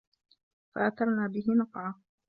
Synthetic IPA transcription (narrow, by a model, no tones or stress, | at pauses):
fa̰ʔaθɑɾˤnaːbɪɦɪnɑqʕa